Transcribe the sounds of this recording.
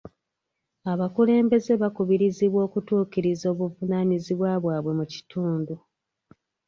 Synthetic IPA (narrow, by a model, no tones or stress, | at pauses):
aβakule̞ːmbe̞ze̞βakuβiɾiziβwo̞ːkutuːciɾizo̞ːβuvunaniziβwaːβwaːβwe̞muci̥tʰuːndu